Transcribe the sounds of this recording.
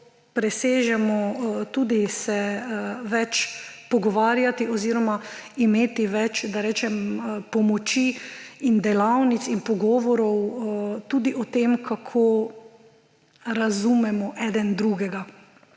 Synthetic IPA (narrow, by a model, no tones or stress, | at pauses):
pɾɛseːʒɛmɔt̪uːd̪isɛ | ʋɛt͡ʃpɔɡɔʋaːɾjat̪iʔɔziːɾɔmaimeːt̪iʋɛt͡ʃd̪aɾɛːt͡ʃɛmpɔmɔt͡ʃiind̪ɛlawnit̪sinpɔɡɔːʋɔɾɔwt̪uːd̪iʔɔt̪eːmkʰakʰoː | ɾazumɛmɔʔɛd̪ɛnd̪ɾuɡɛɡa